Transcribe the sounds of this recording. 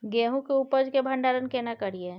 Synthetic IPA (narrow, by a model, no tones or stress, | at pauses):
ɡeːɦũkeupəd͡ʒkebʱə̃ɳɖaːɾənkenakəɾie